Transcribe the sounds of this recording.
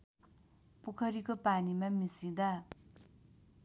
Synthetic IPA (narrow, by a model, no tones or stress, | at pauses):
pukʰʌɾikopanimamisid̪a